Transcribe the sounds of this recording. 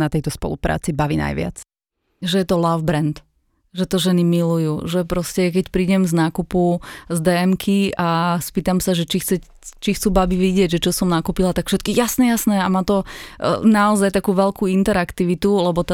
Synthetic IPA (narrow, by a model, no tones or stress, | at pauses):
nat̪ɛjt̪ɔspɔ̰lupɾa̰ːt͡sibaʋḭːna̰jʋɪa̰t͡s | ʒɛjɛt̪ɔlavbɾɛnt̪ | ʒɛt̪ɔʒɛnimilujuːʒɛpɾɔscɛk̬ɛcpɾiːɟɛmznaːkupuzd̪ɛɛmkʰiaspiːt̪amsaʒɛt͡ʃixt͡sɛc | t͡ʃixt͡suːbabiʋiɟɪɛɟʒɛt͡ʃɔsɔmnakupilat̪akfʃɛt̪̚kijasɲɛjasnɛamaːt̪ɔnaɔzajt̪akuːʋɛlkuint̪ɛɾakt̪iʋit̪ulɛbɔt̪